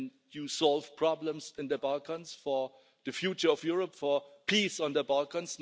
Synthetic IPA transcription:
n | jusɔlv̥pʰɹ̥ɔblə̃msɪ̃nd̪əbalkə̃nsfɔ | d̪əfjut͡ʃəɔfjuɹəpfɔpʰisɔ̃ndəbalkə̃nsn

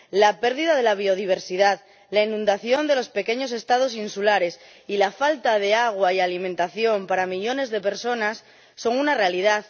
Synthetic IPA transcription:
lape̞ɾðiðað̞e̞laβ̞io̞ð̞iβ̞e̞ɾsiðað | lainũnd̪aθjo̞nd̪e̞lo̞spe̞ke̞ɲo̞s̬e̞st̪að̞o̞s̬insulaɾe̞s | ilafalt̪að̞e̞aɣ̞waialimẽnt̪aθjo̞mpaɾamiʎo̞ne̞zðe̞pe̞ɾso̞nasː | o̞ŋunare̞alið̞að

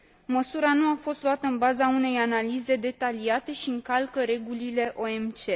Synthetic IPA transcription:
məsuɾanuafo̞st̪luat̪əɨnbazaune̞janalize̞d̪e̞t̪aliat̪e̞ʃiɨŋkalkəɾe̞ɡulile̞ʔo̞e̞mt͡ʃe̞

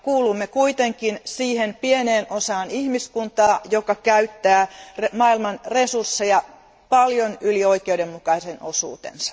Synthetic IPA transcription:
kuːlumːekuit̪eŋkinsiːhenpieneːnosɑːnihmiskunt̪ɑːjokɑkæyt̪ːæːremɑːilmɑnresursːejɑ | pɑljonylioikeudemmukɑiseno̰sṵːt̪ḛnsɑ̥

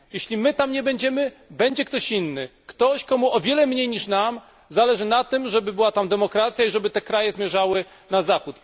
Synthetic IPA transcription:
jeɕlʲimɘt̪amɲɛbɛɲd͡ʑɛmɘbɛɲd͡ʑɛkt̪ɔɕinːɘkt̪ɔɕkɔmuʔɔvʲjɛlɛmɲejɲiʂnam | zalɛʐɘnat̪ɘmʐɛbɘbɘwat̪amd̪ɛmɔkɾat̪sʲjaiʐɛbɘt̪ɛkɾajɛzmʲjɛʐawɘ | nazaxut̪

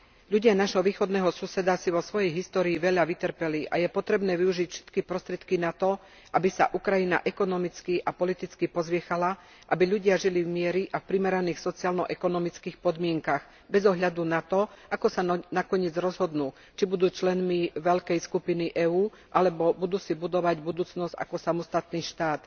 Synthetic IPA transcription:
ʎuɟɪanaʒɦɔʋiːxɔd̪nɛːɦɔsusɛd̪asiʋɔsʋɔjɛjɦist̪ɔːɾiːʋɛʎaʋit̪ɾpɛliʔa̰jɛpɔt̪ɾɛbnɛːʋiuʒicfʃɛ̥t̪kipɾɔst̪ɾɪɛt̪kinat̪ɔ | ʔabisa̰ʔukɾajina̰ʔɛkɔnɔmit͡skiʔapɔlit̪it͡skipɔzʋɪɛxala | ʔabiʎuɟɪaʒilivmɪɛɾiʔafpɾimɛɾaniːxsɔt͡siaːlnɔʔɛkɔnɔmit͡skiːxpɔd̪mɪɛŋkaɣ | bɛzɔɦʎad̪unat̪ɔʔakɔsanakɔɲɪɛd͡zɾɔzɦɔd̪nuː | t͡ʃibud̪uːt͡ʃlɛnmiʋɛʎkɛjskupiniʔɛːuː | ʔalɛbɔbud̪uːsibud̪ɔʋaɟbud̪uːt͡snɔzɟa̰kɔsamɔst̪at̪niːʃt̪aːt̪

